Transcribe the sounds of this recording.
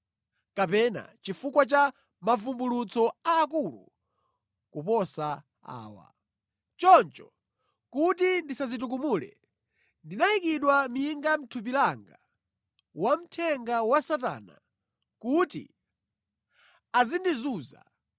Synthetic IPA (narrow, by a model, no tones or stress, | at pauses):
kapɛna̰t͡ʃifukwat͡ʃa | mavumbulut͡sɔaːk̬ulṵ | kupɔsa | a̰ːwa̰ | t͡ʃɔnt͡ʃɔ | kutindisazit̬uk̬umulɛ̰ | ndinaikiɗwam̩jiŋɡam̩tʰup̬ilaŋɡa | wam̩tʰɛŋɡawasata̰ːna̰ | kutḭ | azindizuːza̰